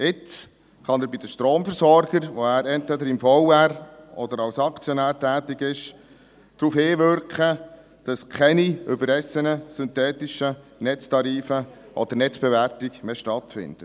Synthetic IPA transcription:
ɪt͡s | χɑnəɾbid̥əʃtɾoːmfəɾsɔɾɡ̥əɾʋɔæːɾɛntʋɛd̪əɾɪmfɔʊæɾɔd̥̪əɾɑwsɑkt͡sjɔnæːɾtæːt̪ɪɡɪʃ | d̪̥ɾuːfhɪːʋʏɾkχə | d̥ɑskʰɛniʔʏbəɾɛsːənəsʏnt̪ɛːtɪʃənɛt͡stɑɾiːfə | ʔɔd̥̪əɾnɛt͡sb̥ɛʋærtiɡmeːʃtɑtfɪ̰nd̥̪ə

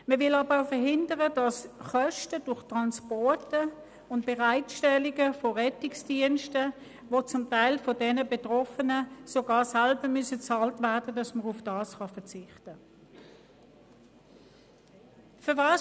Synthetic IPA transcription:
məvɪlɑːbəaʊfəɦɪndəʁəd̥ɑsχœʃtəd̥ʊχtʁɑnspɔtə | ʊntb̥eʁaɪtʃtɛlɪɡəfɔʁɛtɪksd̥iənʃtə | vot͡sʊmtaɪlfɔdɛnəbetʁɔfənəsoɡɑːsalbəmysət͡sɑːltvæɐd̥ədɑsməʁʊfd̥ɑːsχɑfət͡sɪχtə | føɐvɑːs

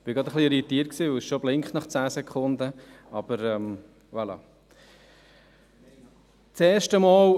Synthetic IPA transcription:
b̥ɪɡɾɑd̪əχliɾit̪iːt̚ksiːʊɪʃʃoblɪŋχtnɑχt͡sæːsɛkχʊnd̪ə | ɑb̥əɾɛm | ʋalɑ̰ | t͡seːʃtəmɑːl

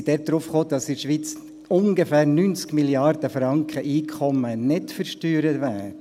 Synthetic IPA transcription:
d̥ɛt̚d̥ɾʊfχoːdɑsɪʃʋiːt͡s | ʊŋɡəfæːɾnynt͡skmiljɑrd̥əfɾɑŋkχəʔiːkʰχɔmənɪtfəɾʃtyːɾətʋæː

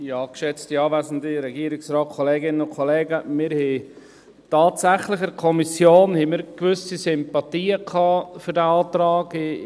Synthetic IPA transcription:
jɑːkʃɛt͡stiɑːvæːzən̩diɾɛɡiːɾɪksrɑːt̚kʰɔleːɡɪnənʊnkʰɔleːɡəmɪɾhɛ | tɑːtsæχlɪxɛɾkʰɔmisjoːnhɛmɪɾkvʏsisɪmpɑtiːəkʰɑːfʏɾdæɑːt̪ɾɑːɡ

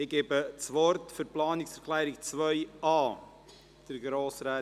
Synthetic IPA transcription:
ɪɡ̥eːbət͡sʋɔɾtfyɾplɑːnɪksɛɾkʰlɛːɾɪkt͡svœʏɑː | d̥əɾɡɾoːsɾɛ

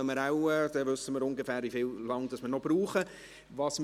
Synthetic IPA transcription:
əməɾaʊɛd̪̥ɛvʏsːəməɾʊŋɡefæːɾifɪːllɑŋd̥ɑsməɾnɔb̥ɾuːχə | vɑs

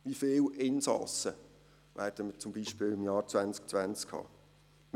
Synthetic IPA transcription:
ʋifeːlʔɪnsɑ̰sə | ʋʔæːɾd̥əmət͡sʊmbiːʃpɪːlɪmjɑːɾt͡svænt͡sk̚t͡svænt͡skʰhɑ̰ː

